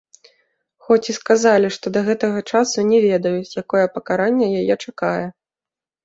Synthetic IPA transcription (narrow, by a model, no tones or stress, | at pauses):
xɔt͡sʲiskazalʲiʂt̪ɔd̪ɐɣɛt̪ɐɣɐt͡ʂasunʲɛvʲɛd̪ɐjut͡sʲjakɔjɛpɐkaɾanʲːɛjajɛt͡ʂakajɛ